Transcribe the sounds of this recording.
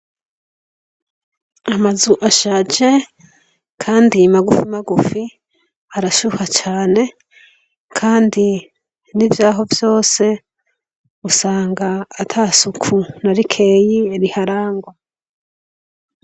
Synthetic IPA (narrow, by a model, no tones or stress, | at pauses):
amazuʔaʃaːd͡ʒe̞ | kʰaːndimaɡufimaɡufi | aɾaʃuhat͡ʃaːne̞ | kʰaːndi | nivjaːɦo̞vjo̞ːse̞ | usaːŋɡaːtʰasukʰunaɾikʰe̞ːjieɾihaɾaːŋɡwa